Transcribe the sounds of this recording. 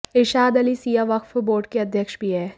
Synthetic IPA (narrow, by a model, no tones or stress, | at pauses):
ɪʃaːd̪ɐlisijaʋɐkfboːɾɖkeɐd̪ʱjəkʃbʱiɦɛː